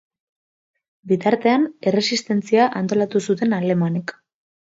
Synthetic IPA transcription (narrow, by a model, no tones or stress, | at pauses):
bit̪aɾt̪e̞ane̞re̞sist̪e̞nt͡siaʔant̪o̞lat̪usut̪e̞nale̞manek